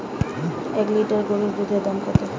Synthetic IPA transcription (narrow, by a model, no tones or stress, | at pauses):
ɛkliʈaɾɡoɾiɾd̪ud̪ʱed̪amkɔt̪e